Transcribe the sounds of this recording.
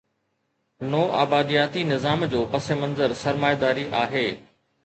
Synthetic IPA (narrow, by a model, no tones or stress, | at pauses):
nɔːʔa̰ːbaːd̪ijaːt̪inɪzaːmd͡ʑoːpɐsemɐ̃nzəɾsɐɾmaːjd̪aːɾiʔaːɦeː